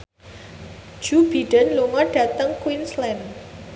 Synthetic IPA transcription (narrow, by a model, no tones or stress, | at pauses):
d͡ʒ̥ub̥iɖənluŋɔɖ̥ä̤t̪əŋkwinslɛn